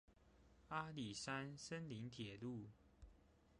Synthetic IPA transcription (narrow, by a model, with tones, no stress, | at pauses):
a˦˥li˨˩sa˦nsə˦nli˨˦ŋt̪ʰjɛ˨˩lu˥˨